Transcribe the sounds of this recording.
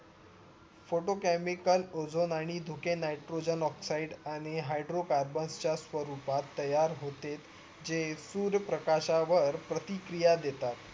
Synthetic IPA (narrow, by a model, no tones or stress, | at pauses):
foʈokæmikəlod͡zonaɽ̃id̪ʱukenajʈɾod͡ʑənɔksaiɖaɽ̃iɦajɖɾokaɾbənst͡ɕjasʋəɾupat̪ːəjaɾɦot̪et̪ | d͡ʑesuːɾjəpɾəkaɕaʋəɾpɾət̪ikɾijad̪et̪at̪